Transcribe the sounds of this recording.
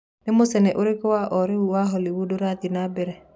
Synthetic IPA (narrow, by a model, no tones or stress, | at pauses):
nemosɛnɛʔoɾekɔwaʔɔɾeuwaɦɔliwudoɾaðinabɛɾɛ